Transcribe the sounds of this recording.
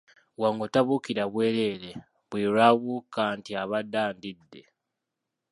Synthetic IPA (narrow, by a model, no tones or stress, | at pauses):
waŋɡotaβukiɾaβwe̞ːle̞ːɾe | βwiːɾaβukaːntiaβadaːndidːe̞